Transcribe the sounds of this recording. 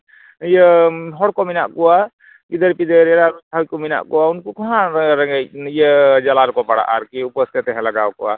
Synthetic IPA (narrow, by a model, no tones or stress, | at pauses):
jəɦɔɽkɔminaʔkuwa | ɡid̪əɾpid̪əɾeɾaɾutʰawjkɔmina̰ʔkuwaunkukɔɦãɾaŋɡajijəd͡ʒalaɾkɔpaɽa̰ʔaɾkiupɔst̪ʰet̪ɛɦɛ̃laɡawkɔwa̰